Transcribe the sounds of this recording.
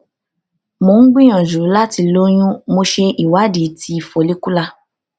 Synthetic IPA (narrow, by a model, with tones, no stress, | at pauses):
mo˨˦n̩˦ɡ͡bĩ˦ɔ̃˨d͡ʒu˨u˨˦la˦ti˧lo˦j̃ũ˦mo˧ʃe˧i˨wa˨˦di˨˦ti˧˦i˨fo˨˦li˦ku˦la˧